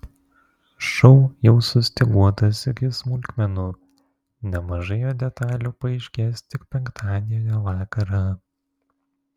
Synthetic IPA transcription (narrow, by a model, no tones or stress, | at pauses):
ʃɔʊjɛʊsʊsʲt̪ʲɪɡuɔt̪ɐsɪkʲɪsmʊlʲkʲmʲɛnuː | nʲɛmɐʒɐɪjoːd̪ʲɛt̪ɑːlʲuːpɐɛɪʃʲkʲeːst̪ʲɪkpʲɛŋkt̪ʰɑːd̪ʲeːjoʋɑːkɐɾɐ